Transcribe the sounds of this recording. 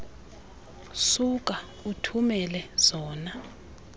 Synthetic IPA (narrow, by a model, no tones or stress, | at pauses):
suk̬ʼa | utʰumɛlɛz̥ɔːna